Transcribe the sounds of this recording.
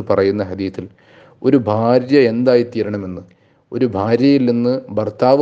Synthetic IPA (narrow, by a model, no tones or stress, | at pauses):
pɐrɐjunːɐɦɐd̪iːθil | o̞ɾubʱaːɾjɐe̞nd̪aːjit̪iːɾɐɳɐme̞nːɨ | o̞ɾubʱaːɾjɐjilninːɨbɐrt̪aːʋ